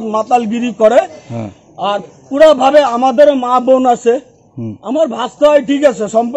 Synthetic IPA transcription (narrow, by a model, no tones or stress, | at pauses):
t̪mat̪alɡiɾikɔɾe | aɾ | kuɽabʱabeamad̪eɾemabonasʰe | amaɾbʱast̪ajʈʰikat͡ʃʰesɔmp